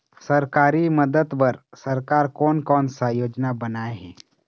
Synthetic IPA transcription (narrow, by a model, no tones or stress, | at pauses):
səɾkaːɾiməd̪əd̪bəɾsəɾkaːɾkɔːnkɔːnsajoːd͡ʒnabənaeɦɛː